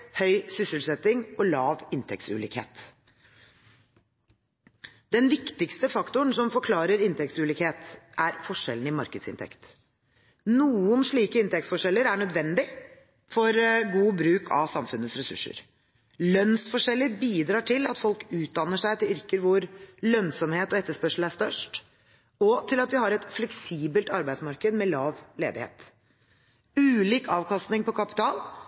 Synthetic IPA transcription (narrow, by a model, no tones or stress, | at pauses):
hœʏsʏsəlsɛt̪ːɪŋɔlɑːʋɪnt̪ʰɛk̚t̪sʉ̰ːlḭːkhḛːt̪ | d̪ɛnʋɪkt̪ɪkst̪əfɑkt̪ʊɳsɔmfɔɾkʰlɑːɾəɾɪnt̪ʰɛk̚t̪sʉːliːkheːt̪ʔæɾfɔʂːɛlːn̩ɪmɑɾkəd̪sɪ̰nt̪ʰɛ̰kt̪ | nuːənʂɭiːkəɪnt̪ɛktsfɔʂɛlːəɾæɳœd̪ʋɛnd̪ɪ | fɔɾɡuːbɾʉːkʰɑ̰ʋsɑmfʉnːət̪sɾɛsʉ̰ʂːə̰ɾ | lœnsfɔʂɛlːəɾbiːd̪ɾɑːʈʰɪlɑ̰t̪fɔlkʉːt̪̚d̪ɑnːəʂæɪt̪ɪlʏɾkəɾʋʊɾlœnsɔmheːt̪ɔɛt̪ːəʂpœʂl̩æʂt̪œʂʈ | ɔt̪ʰɪlɑt̪ʋɪhɑɾɛt̪flɛksiːbəlt̪ɑɾbæɪd̪smɑɾkəd̪mɛlɑːʋlḛːd̪ɪ̰hḛːt̪ | ʉːliːkʰɑːʋkʰɑst̪nɪŋpɔkʰɑpɪ̥t̪ʰɑːl